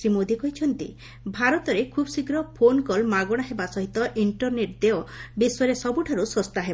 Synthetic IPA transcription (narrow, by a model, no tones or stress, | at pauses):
ɾimod̪ʱikɔɦit͡ʃʰɔnt̪i | bʱaɾɔt̪ɔɾekʰubsikɾɔpʰonkɔlmaɡɔɽ̃aɦebasɔɦit̪ɔʔiɳʈɔɾneʈ̚d̪eobiswɔɾesɔbuʈʰaɾusɔst̪aɦeb